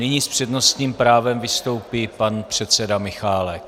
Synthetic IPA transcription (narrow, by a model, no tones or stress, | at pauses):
nɪɲiːspr̝̥ɛdno̞st̪ɲiːmpɾaːvɛmvɪst̪o̞wpipanpr̝̥ɛt̪sɛdamɪxaːlɛk